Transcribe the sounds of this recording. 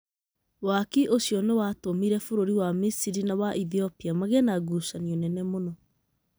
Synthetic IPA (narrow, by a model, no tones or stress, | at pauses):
wakiʔoɕjɔnewatomiɾɛfoɾoɾiwamisiɾinawaʔiθiɔpiamaɣɛnaɡusaniɔnɛnɛmonɔ